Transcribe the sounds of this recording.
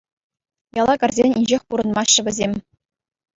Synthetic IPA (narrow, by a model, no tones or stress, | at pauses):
jɑlˠɑkɑrzʲenʲinʲd͡ʑexʲpuɾɤ̆nmɑɕːɘ̆ʋʲɘ̆zʲemʲ